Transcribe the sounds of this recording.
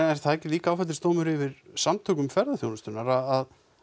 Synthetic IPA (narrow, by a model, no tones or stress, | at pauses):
ɛɾ̥θaðɛhcɪliːkaaːwfɛt̪ɪ̥st̪oːwmʏɾɪvɪɾ̥samt̪ʰœːkʏmfɛɾðaθjownast̪ʏnaɾaðað